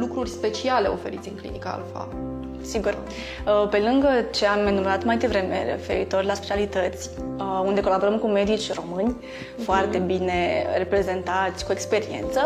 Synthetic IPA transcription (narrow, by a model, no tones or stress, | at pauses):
lukɾurʲspe̞t͡ʃiale̞o̞̰fe̞ɾit̪sʲɨŋklḭnikəa̰lfa̰ | siɡur | əpe̞lɨŋɡət͡ʃe̞amːenuɾat̪majd̪e̞vɾe̞mḛɾḛfe̞̰ɾit̪o̞rʲlaspe̞̥t͡ʃialit̪ət̪sʲund̪e̞kolabo̞ɾəmkume̞d̪it͡ʃʲro̞mɨnʲ | foart̪e̞bine̞re̞pɾe̞ze̞nt̪at̪sʲkuekspe̞ɾie̞̰nt̪sə